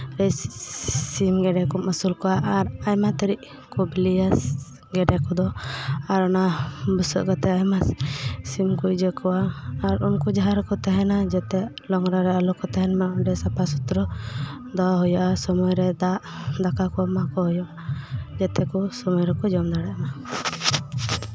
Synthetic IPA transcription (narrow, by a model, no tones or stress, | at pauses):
ɾɛ | simɡɛɖɛkɔmasulkɔwaʔaɾajmat̪əɾiʔ | kɔbilijas | ɡɛɖɛkɔd̪ɔaɾɔnabusɔ̰ʔɡɔt̪ɛajmassimkuʔd͡ʒəkɔwaːɾunkud͡ʒaɦaɾɔkɔt̪ɛɦɛnad͡ʒɛt̪ɛlɔŋɾaɾɛalɔkɔt̪ɛɦɛnmaɔɖɛsapasut̪ɾɔ | d̪ɔɦujaʔasɔmɔjɾɛd̪aʔd̪akakɔamakɔɦujɔʔad͡ʒɛt̪ɛkɔsɔmɔjɾɛkɔd͡ʒɔmd̪aɽaʔana